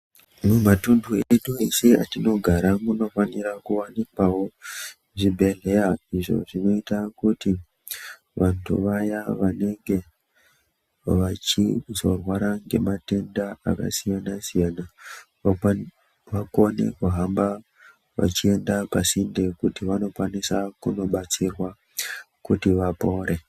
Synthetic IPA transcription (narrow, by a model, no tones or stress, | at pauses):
mumatundʱueɗuesia̰tino̞ɡʱaɾamuno̞faniɾakuwanikwawo̞ | ʐibʱe̞ɮe̞jaiʐo̞̰ʐino̞itakuti | ʋantʰṵʋajaʋane̞ŋɡe̞ | ʋat͡ʃizo̞rwaɾaŋɡe̞̰mate̞ndaa̰ka̰sijanasijana | ʋakonḛkuɦamba | ʋa̰t͡ʃie̞ndapasinde̞kutiʋano̞kwanisakuno̞ɓat͡sirwa | kutiʋapo̞ːɾe̞